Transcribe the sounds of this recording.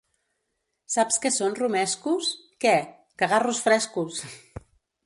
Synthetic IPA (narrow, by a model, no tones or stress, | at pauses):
sapskesonrumɛskuskɛ | kaɣarusfɾɛskus